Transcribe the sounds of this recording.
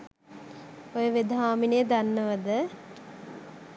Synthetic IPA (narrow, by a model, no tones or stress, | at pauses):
ojəʋed̪ɦaːminejəd̪anːəʋəd̪ə